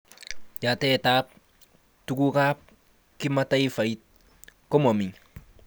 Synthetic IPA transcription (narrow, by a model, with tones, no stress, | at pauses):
ja˨tɛ˦˨taː˦p̚ | tu˦ku˦kaː˦p̚ | ki˦ma˦ta˦i˦fa˨i˦t̚ | kɔ˦mo˨mi˨ɲ